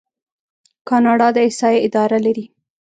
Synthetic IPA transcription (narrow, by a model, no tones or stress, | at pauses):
kɑnɑɖɑd̪əɪsɑjeɪd̪ɑɾalaɾi